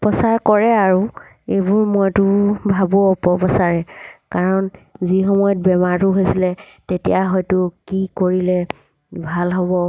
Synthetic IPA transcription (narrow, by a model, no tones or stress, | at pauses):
pɔsaɹkɔɹɛaɹu | ebʊɹmɔjtʊbʱabɔɔpɔpɔsaɹɛkaɹɔnzixɔmɔjɔt̚bɛmaɹtʊɦojsilɛ | tetijaɦɔjtʊkikoɹilɛ | bʱalɦɔbɔ